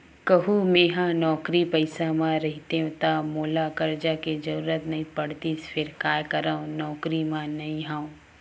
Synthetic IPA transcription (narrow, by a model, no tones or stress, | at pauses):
kɐɦumẽːɦãnɔːkɾipɐɪsamãɾɐɦɪt̪eɦũt̪amoːlakɐɾd͡ʒaked͡ʒɐɾuːɾət̪nɐĩpɐɽt̪iːsfʰɪɾkaːjkɐɾãõnɔːkɾimãnɐĩɦãːũ